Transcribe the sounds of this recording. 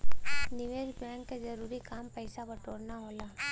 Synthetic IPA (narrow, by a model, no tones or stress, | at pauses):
nɪʋeːɾbɛ̃ːŋkezɐɾuːɾikaːmpɐɪsabɐʈoːɾnaɦoːlaː